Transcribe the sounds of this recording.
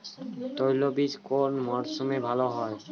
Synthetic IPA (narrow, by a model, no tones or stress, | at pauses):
t̪ojlobiʃkoɾnmɔɾsumebʱaloɦɔe